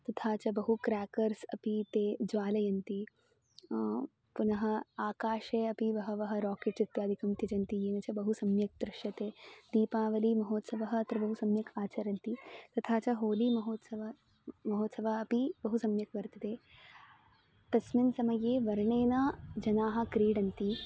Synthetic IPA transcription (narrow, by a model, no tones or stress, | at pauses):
t̪ɐt̪ʰaːt͡ʃɐbɐɦukɾaːkɐɾsɐpit̪eːd͡ʒʋaːlɐjɐnt̪i | punɐɦɐ̆aːkaːʃeːɐpiʋɐɦɐ̆ʋɐɦɐ̆ɾɔːkeːʈt͡ʃɐt̪jaːd̪ʱikɐmt̪jɐd͡ʒɐnt̪ijeːnɐt͡ʃɐbɐɦusɐmjɐk̚d̪ɾɪʃjɐt̪eːd̪iːpaːʋɐliːmɐɦoːt̪sɐʋɐɦɐɐt̪ɾɐbɐɦusɐmjɐkʰaːt͡ʃɐɾɐnt̪it̪ɐt̪ʰaːt͡ʃɐɦoːliːmɐɦoːt̪sɐʋɐ | mɐɦoːt̪sɐʋaɐpibɐɦusɐmjɐkʋɐɾt̪ɐt̪eː | t̪ɐsminsɐmɐjeːʋɐɾɳeːnɐd͡ʒɐnaːɦɐ̆kɾiːɽɐnt̪i